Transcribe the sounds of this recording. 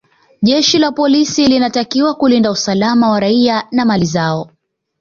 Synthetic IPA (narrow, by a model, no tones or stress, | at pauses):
ʄɛʃilapɔlisilinatakiwakulindausalamawaɾaianamalizaɔ